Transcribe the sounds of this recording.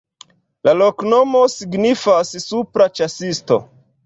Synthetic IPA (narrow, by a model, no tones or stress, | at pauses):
lalokno̞mo̞siɡnifassupɾat͡ʃasisto̞̰